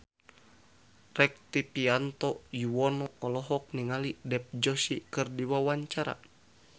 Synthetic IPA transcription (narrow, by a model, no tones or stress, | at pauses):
rɛk̚t̪ipiant̪ɔjuwɔnɔːlɔɦɔk̚niŋalidɛp̚d͡ʒɔsikɨrdiwawaɲt͡ʃaɾa̰